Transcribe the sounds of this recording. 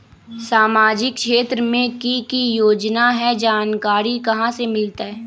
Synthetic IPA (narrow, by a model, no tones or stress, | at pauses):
saːmaːd͡ʒɪkʃeːt̪ɾəmẽkikijoːd͡ʒnaɦɛd͡ʒaːnkaːɾikɐɦãsemɪlt̪aɦɛː